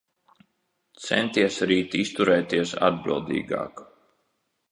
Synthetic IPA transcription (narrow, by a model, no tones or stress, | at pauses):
t̪sɛ̰nt̪iɛsɾiːt̪ist̪uɾɛːt̪iɛsa̰d̪̚bḭlˠd̪ḭːɡɑ̰ːk